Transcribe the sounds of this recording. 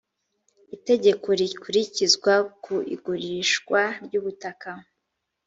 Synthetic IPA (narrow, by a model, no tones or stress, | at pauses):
ite̞ɟe̞ko̞ɾikuɾicizɡwakuḭɡuɾiʃkwaɾɟuːβutaka